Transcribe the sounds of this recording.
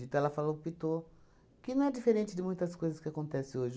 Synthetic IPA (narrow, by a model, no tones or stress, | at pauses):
it̪ɛlɐfalopit̪o | kɪnɐ̃w̃ɛdifeɾẽnt͡ʃɪd̪ɪmũj̃t̪ɐskojzɐskɪakõnt̪ɛsɪ̃oʒ